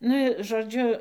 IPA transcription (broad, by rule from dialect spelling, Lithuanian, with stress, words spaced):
ˈnʊ ɪ ʒoːˈd͡ʒʲʊ